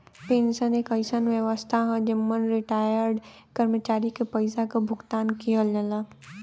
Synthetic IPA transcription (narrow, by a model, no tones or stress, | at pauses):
peːnsaneːkɐɪsanʋjəʋəst̪ʰaɦãd͡ʒəmːənɾiʈaːjəɾɖ | kɐɾmət͡ʃaːɾikepɐɪsakabʱʊɡt̪aːnkijəlɐla